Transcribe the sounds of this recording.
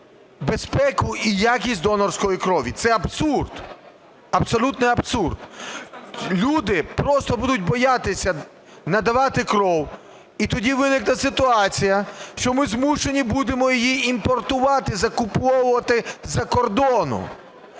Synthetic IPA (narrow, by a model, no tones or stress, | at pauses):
bespɛkʊijakʲisʲtʲd̪ɔnɔrsʲkɔjikɾɔʋʲit̪sɛɐbsurd̪ | ɐbsɔlʲut̪nɛɐbsurd̪ | lʲud̪ɪpɾɔst̪ɔbud̪ʊtʲbɔjat̪ɪsʲɐ | nɐd̪ɐʋɑt̪ɪkɾɔw | it̪ɔdʲiʋɪnɪknɐsɪt̪ʊɑt͡sʲijɐʃt͡ʃɔmɪzmuʃenʲibud̪emɔjijiimpɔrt̪ʊʋɑt̪ɪzɐkʊpɔwʊʋɐt̪ɪzɐkɔrd̪ɔnʊ̰